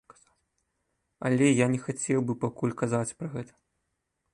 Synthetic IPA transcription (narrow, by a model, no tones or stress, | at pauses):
a | ɐlʲɛjanʲɛxat͡sʲɛwbɨpakulʲkazat͡sʲpɾɐɣɛt̪ɐ̥